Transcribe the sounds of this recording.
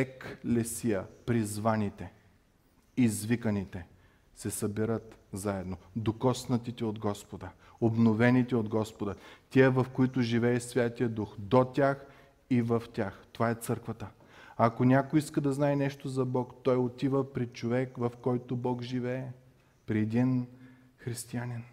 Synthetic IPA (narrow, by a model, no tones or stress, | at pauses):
ɛklɛsijəpɾizvanit̪ɛ | izvikənit̪ɛ | sɛsɐbɛɾət̪zaɛd̪nod̪okɔsnɐt̪it̪ɛod̪ɡɔspod̪ə | obnovɛnit̪ɛod̪ɡɔspod̪ət̪ʲiəvɐfkoit̪ʊʒivɛːsvʲjat̪ijəd̪uxd̪ot̪ʲax | ivɐft̪ʲaxt̪ovaɛt̪sɤɾkvɐt̪ə | ɐkonʲakoiskəd̪ɐznaɛnɛʃt̪ozɐbɔkt̪ɔjot̪ivəpɾit͡ʃovɛkvɐfkɔjt̪obɔkʒivɛːɛ | pɾiɛd̪in | xɾist̪ianin